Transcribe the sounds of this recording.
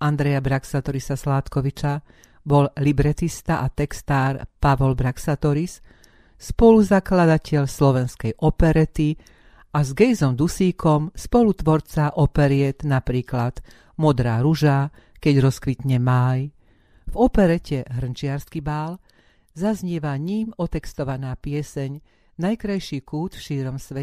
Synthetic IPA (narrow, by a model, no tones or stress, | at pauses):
and̪ɾɛjabɾaksat̪ɔɾisaslaːt̪kɔʋit͡ʃa | bɔllibɾɛt̪ist̪aʔat̪ɛkst̪aːɾpaʋɔlbɾaksat̪ɔɾis | spɔluzaklad̪acɛʎslɔʋɛnskɛjʔɔpɛɾɛt̪i | ʔazɡɛjzɔmd̪usiːkɔmspɔlut̪ʋɔɾt͡saʔɔpɛɾɪɛd̪napɾiːklad̪̥ | mɔd̪ɾaːɾuʒa | kɛɟɾɔskʋit̪ɲɛmaj | vɔpɛɾɛcɛɦr̩nt͡ʃɪaɾskibaːl | zazɲɛʋaɲiːmɔt̪ɛkst̪ɔʋanaːpɪɛsɛɲ | najkɾajʃiːkuːt̪fʃiːɾɔmsʋɛ